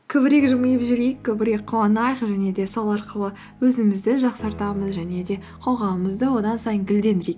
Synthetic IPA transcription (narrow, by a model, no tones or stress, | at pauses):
kʲʰɵbɪɾe̞kʒʊməjəpʒɪɾejkʲʰːɵbɪɾe̞k̚qʰʊwɑnɑjəqʒæne̞d̪e̞solˠɑɾqəlˠə | wɵzɪmɪzd̪ɪʒɑqsɑɾt̪ɑməzʒæne̞d̪e̞ | qʰo̞ʁɑwəməzd̪əwo̞d̪ɑnsɑjəŋɡʲʏld̪e̞nd̪ɪɾek